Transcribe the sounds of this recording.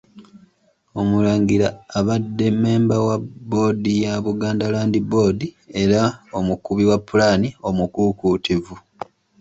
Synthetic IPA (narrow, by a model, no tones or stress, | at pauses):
o̞mulaːŋɡiɾaːβadːe̞me̞ːmbawabo̞ːdijaβuɡaːndalaːndibo̞ːdie̞ɾao̞mukuβiwapːulanio̞mukukutivu